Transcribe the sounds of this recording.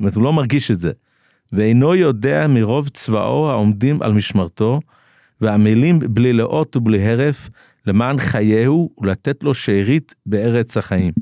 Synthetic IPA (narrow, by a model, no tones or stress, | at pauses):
tmetulo̞maʁɡiʃetze | veejno̞jo̞de̞amiʁo̞vt͡sva̰ʔo̞haomdimʔa̰lmiʃmaʁto̞ | veamilimblileʔo̞tubliɦe̞ʁe̞f | le̞maːnχajehuːlat̪etlo̞ʃeʁit̪ | be̞e̞ʁet͡shaχaim